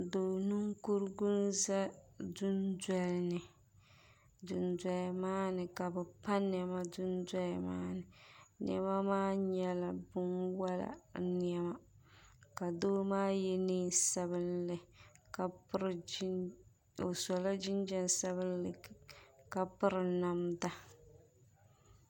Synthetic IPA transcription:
doː˨nu˦ŋku˦ɾɡʊ˦n˦za˦dʊ˦ndɛ˨lnɨ˨ | dʊ˨ndɛ˨lmaː˦nɨ˨ka˨bɛ˨pa˦n˨ɛ˨ma˦dʊ˦ndɛ˦lma̰ː˦nɨ˨n̰˦ɛ̰˦ma˦maː˦ɲɛ˦la˨bʊ˦nwa˦la̰˨n˦ɛ˦ma˦ | ka˨doː˦maː˦jɛ˦niː˦sa˦βɨ˦nlɨ˨ka˨˦ɾ | o˨sɔ˨la˦d͡ʒɪ˦nd͡ʒɛ˦nsa˦βɨ˦nlka˨pɨ˦ɾɨ˨na˨mda˦

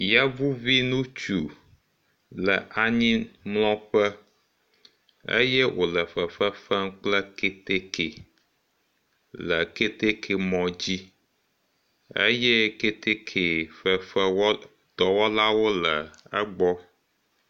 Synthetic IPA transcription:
jɛ˦vu˦vi˦nũ˦t͡ʃu˨ | lə̰˨ʔa˨ɲĩ˦mlɔ̃˦ɸə˦ | ḛ˦jɛ˦wʔo˨lə˨ɸə˨fə˦fɛ˦ŋk͡plə˦ke˦t̪e˦kʰe˨ | lə˨ke˦t̪e˦kʰe˨mɔ̃˨d͡ʑi˦ | ḛ˦jɛ˦ke˦t̪e˦kʰe˨fə˦fə˦w | d̪̥ɔ˨wɔ˦la˦wo˦lə˨ə̰˦ɡ͡bɔ˦

